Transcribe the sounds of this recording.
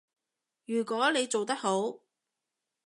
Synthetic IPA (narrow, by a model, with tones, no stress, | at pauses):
jyː˨˩kʷɔː˨˥le˨˧jt͡so˨wt̪ɐ˥k̚ho˨˥w